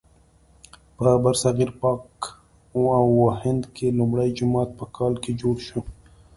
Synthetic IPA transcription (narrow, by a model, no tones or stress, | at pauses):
pəbaɾsaɣiɾpɑk | awːahɪnd̪kʰelumɽajd͡ʒʊmɑːt̪̚pəkʰɑlked͡ʒoɽʃu